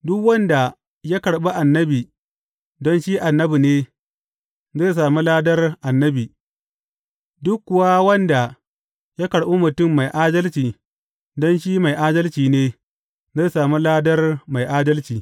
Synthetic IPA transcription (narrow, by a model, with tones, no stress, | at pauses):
dʊ˦kwɐ˦nda˨ | ja˦kɐ˨ɽɓa˦ʔa˨nːɐ˦biː˨ | dɔ˦nʃi˦ʔa˨nːɐ˦bu˨neː˦ | ze˦˨saː˨mu˦laː˦dɐ˦rʔa˨nːɐ˦biː˨ | dʊ˦kːʊ˦˨wa˦wɐ˦nda˨ | ja˦kɐ˨ɽɓo˦mʊ˨tʊ˦˨mːa˨jʔaː˦dɐ˦lt͡ʃiː˨ | dɔ˦nʃiː˦ma˨jʔaː˦dɐ˦lt͡ʃiː˨neː˦ | ze˦˨saː˨mu˦laː˦dɐ˦rma˨jʔaː˦dɐ˦lt͡ʃiː˨